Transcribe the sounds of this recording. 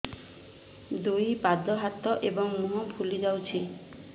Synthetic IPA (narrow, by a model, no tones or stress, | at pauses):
d̪ujpad̪ɔɦat̪ɔʔebɔŋmuɦɔpʰulid͡ʒawt͡ʃʰi